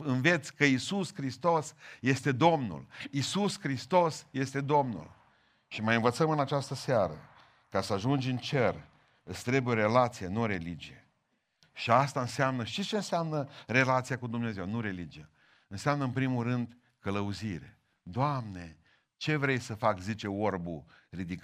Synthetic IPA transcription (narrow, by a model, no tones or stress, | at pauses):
ɨnve̞t̪sʲkəisuskɾist̪o̞sje̞st̪e̞d̪o̞mnṵlisuskɾist̪o̞sje̞st̪e̞d̪o̞mnṵl | ʃimajɨnvət̪səmɨnat͡ʃast̪əseaɾə̰ | kasəaʒund͡ʒɨnt͡ʃer | ɨst̪ɾe̞bujeoɾe̞lat̪sijenuoɾe̞lid͡ʒije | ʃiast̪aɨnseamnəʃt̪it͡ʃeɨnseamnəre̞lat̪sijakud̪umneze̞wnuɾe̞lid͡ʒija | ɨnseamnəɨnpɾimulɾɨnd̪ | kələuziɾḛ | d̪oamne̞ | t͡ʃe̞vɾe̞jsəfakzit͡ʃe̞orburid̪ik